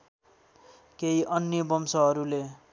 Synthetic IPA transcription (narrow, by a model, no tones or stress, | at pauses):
keiʔʌnjʌbʌmsʌɦʌɾule